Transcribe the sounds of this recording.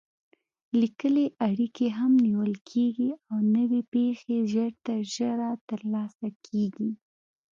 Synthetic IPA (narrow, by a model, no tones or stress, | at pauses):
likəleʔaɽikeɦamniwəlkʰeɡiawnəwepexeʒəɾt̪aʒəɾat̪əɾlɑsakʰeɡi